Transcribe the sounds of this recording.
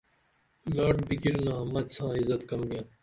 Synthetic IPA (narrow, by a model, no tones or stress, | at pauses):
laːɖbiɡilnɐɦɐmːɐd̪sãːizɐt̪kɐmɡɐ̃